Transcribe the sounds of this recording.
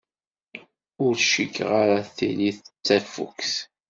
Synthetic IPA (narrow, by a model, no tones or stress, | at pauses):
ʊɾʃikːʁaɾaθḭliθət͡sːæfṵkθ